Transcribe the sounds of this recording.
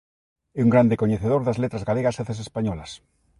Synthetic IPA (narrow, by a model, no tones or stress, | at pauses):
euŋɡɾand̪ekoɲeθeðoɾðazlet̪ɾazɣaleɣaseθes̬espaɲɔlas